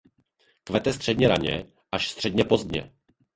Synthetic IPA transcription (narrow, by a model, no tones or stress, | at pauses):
kvɛt̪ɛst̪r̝̥ɛdɲɛɾa̰ɲɛ̰ | ʔaʃst̪r̥ɛdɲɛpo̞zd̪ɲɛ̰